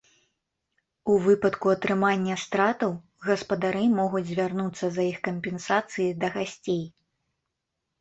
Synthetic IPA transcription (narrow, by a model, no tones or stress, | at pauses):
uvɨpɐt̪kuɐt̪ɾɨmanʲːɐst̪ɾat̪ɐw | ɣɐspɐd̪aɾɨmɔɣud͡zʲzʲvʲarnut̪sːɐzɐjixkɐmpʲɛnsat̪sɨjid̪ɐɣasʲt͡sʲej